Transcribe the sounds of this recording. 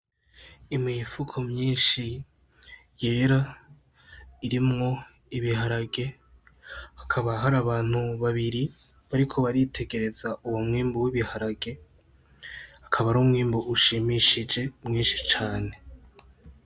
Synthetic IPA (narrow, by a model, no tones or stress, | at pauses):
imŋifukʰomɲiːnʃi | je̞ːɾa | iɾimŋo̞ | iβiɦaɾaɡe̞ | akʰaβaɦaɾaβaːn̥huβaβiɾi | βaɾikʰo̞βaɾitʰe̞ɡe̞ɾe̞zauwomŋiːmbuwiβihaɾaɡe̞ | akʰaβaɾuːmŋiːmbuʔuʃimiʃid͡ʒe̞mŋiːnʃi̥t͡ʃaːne̞